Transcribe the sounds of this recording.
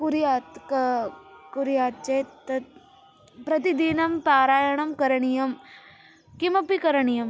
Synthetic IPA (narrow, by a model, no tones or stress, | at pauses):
kuɾijaːt̪kɐkuɾijaːt̪̚t͡ʃeːt̪t̪ɐt̪ | pɾɐt̪̬id̪iːnɐmpaːɾaːjɐɳɐmkɐɾɐɳijɐm | kimɐpikɐɾɐɳijɐm